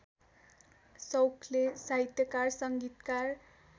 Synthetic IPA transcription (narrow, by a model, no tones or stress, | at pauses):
sʌwkʰlesait̪jʌkarsʌŋɡit̪kar